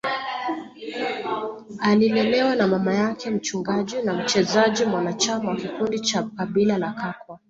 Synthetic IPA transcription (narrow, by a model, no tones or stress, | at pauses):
alilɛlɛwanamamajakʰɛm̩t͡ʃuŋɡaʄinam̩t͡ʃɛzaʄimwanat͡ʃamawakikundit͡ʃakaɓilalakakwa